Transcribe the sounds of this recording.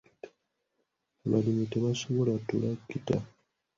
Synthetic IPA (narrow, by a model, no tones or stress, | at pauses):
βalimiteβasoβolatulakita̰